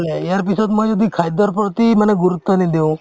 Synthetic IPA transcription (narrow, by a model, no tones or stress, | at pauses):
leejaɾpisɔd̪mɔjd͡ʒɔd̪ikʰajd̪ɔɾpɾɔt̪iməneɡuɾut̪ːɔnid̪eũ